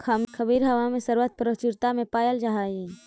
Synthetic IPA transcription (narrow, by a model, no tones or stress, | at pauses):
kʰəmkʰəbiːɾɦɐʋamẽsəɾʋət̪̚pɾət͡ʃɪɾt̪amẽpaːjəld͡ʒaɦaːji